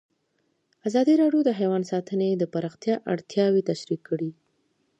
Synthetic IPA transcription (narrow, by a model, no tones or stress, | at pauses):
azɑd̪iɾɑɖjod̪əɦajwɑnsɑt̪əned̪əpaɾɑxt̪jɑʔa̰ɽt̪jɑwet̪aʃɾikʰːəɽi